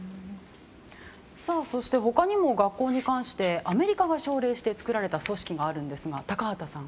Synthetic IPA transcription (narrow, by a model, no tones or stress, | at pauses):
saso̞ɕi̥t̪e̞ɦo̞kaɲ̟imo̞ɡakːo̞ːɲ̟ikãɰ̃ɕi̥t̪e̞ʔame̞ɾʲikaɡaɕo̞ːɾe̞ːɕi̥t̪e̞t͡sɨ̥kɯ̟ɾaɾe̞t̪aso̞ɕi̥kʲiɡaːɾɯ̟̃nd̪e̞sɨɡat̪akaat̪asãŋ